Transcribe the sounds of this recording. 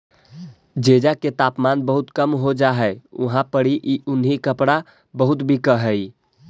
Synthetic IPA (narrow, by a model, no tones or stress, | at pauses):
d͡ʒed͡ʒaket̪apmanbəɦut̪kəmɦod͡ʒaɦɛṵɦãpəɽiʔiunɦikəpɽa | bəɦut̪bʱikəɦəj